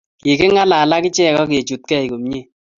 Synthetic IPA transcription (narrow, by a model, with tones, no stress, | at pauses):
ki˨kɪ˦ŋa˦la˨la˦kɪ˦t͡ʃɛ˦˨kɔ˦k̬e˨t͡ʃu˨t̚kɛ˦˨i˨ko˨m˦ɲe˦˨